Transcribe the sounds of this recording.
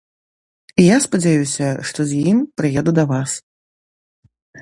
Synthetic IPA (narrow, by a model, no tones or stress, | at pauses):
ijaspɐd͡zʲajusʲɐʂt̪ɔzʲjimpɾɨjɛd̪ud̪ɐvas